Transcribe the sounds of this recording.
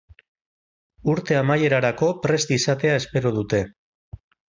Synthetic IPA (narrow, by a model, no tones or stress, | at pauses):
uɾt̪e̞amaje̞ɾaɾako̞pɾe̞zd̪isat̪e̞ae̞spe̞ɾoð̞ut̪e̞